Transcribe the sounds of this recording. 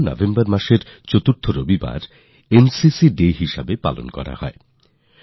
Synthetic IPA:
nɔ̰vʱembaɾmaʃeɾt͡ɕot̪uɾt̪ʰoɾobiba̰ɾ | ensisiɖeɦiʃabepa̰lo̰nkɔ̰ɾa̰hɔ̰e

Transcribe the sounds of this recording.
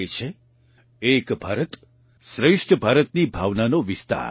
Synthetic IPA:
et͡ʃʰe | ekbʱaːɾət̪ | sɾeʂʈʰəbʱaɾət̪nibʱaʋnanoʋist̪a̰ɾ

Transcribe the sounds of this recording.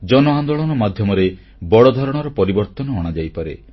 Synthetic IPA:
d͡ʒɔnɔand̪oɭɔnɔmad̪ʱjɔmɔɾe | bɔɽɔd̪ʱɔɾɔɽ̃ɔɾɔpɔɾibɔɾt̪ɔnɔɔɽ̃ad͡ʒajpaɾḛ

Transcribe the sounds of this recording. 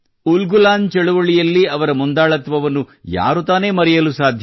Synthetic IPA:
ulɡulaːnd̪t͡ʃɛɭuʋɐɭijɐlːiɐʋɐɾɐmund̪aːɭɐt̪ʋɐʋɐnːuja̰ːɾut̪aːne̞ːmɐɾɛjɐlusaːd̪ʱj

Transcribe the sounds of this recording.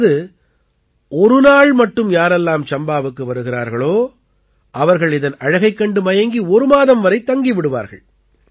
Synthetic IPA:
ðɯ | ɔɾɯnaːɭmɐʈːɯmjaːɾɛlːaːmt͡ʃɐmbaːʋɯkːɯʋɐɾɯɣɪra̰ːɾɣɐɭoː | ʔɐʋɐɾɣɐɭɪðɐnɐɻɐɣɐɪkːɐɳɖɯmɐjɐŋɡiɔɾɯmaːðɐmʋɐɾɐɪt̪ːɐŋɡiʋɪɽɯʋa̰ːɾɣɐ̰ɭ

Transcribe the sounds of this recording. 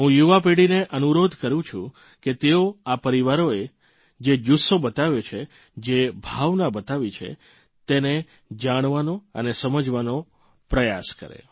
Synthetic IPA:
ɦũjuʋapeɽineʔənuɾod̪ʱkəɾũt͡ʃʰũ | ket̪eoapəɾiʋaɾoe | d͡ʒed͡ʒusobət̪aʋet͡ʃʰe | d͡ʒebʱaʋnabət̪aʋit͡ʃʰḛ | t̪ene | d͡ʒaɽ̃ʋanoə̰nesəməd͡ʒʋano | pɾəjaskə̰ɾḛ

